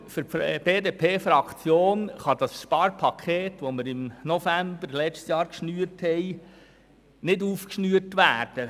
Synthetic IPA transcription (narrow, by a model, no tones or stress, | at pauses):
fɾb̥eːdeːpʰeːfɾɑkʰt͡sjoːnχɑd̥̪ɑsʃpɑːɾpʰɑkʰeːt̪ʋoməɾɪmnofæmbəɾlɛt͡ʃtsjɑːɾkʃnyːəthɛj | nɪduːfkʃnyːəɾtʋæːɾd̥ə